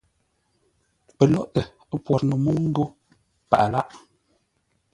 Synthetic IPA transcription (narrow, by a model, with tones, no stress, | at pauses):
pə˨lɔ˦ʔtə˨ | ə˦pwɔ˨ɾnu˨mo˦ŋ̩˦ɡo˦ | pa̰˨ʔa˨la˦ʔ